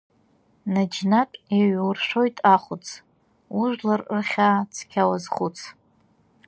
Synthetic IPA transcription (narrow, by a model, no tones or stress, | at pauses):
nad͡ʒnatʼeɥwʊrʃʷᶣo̞jtʼaχʷʊt͡sʰ | uʒʷlarɨrχʲat͡sʰkʲʰawazχʊt͡sʰ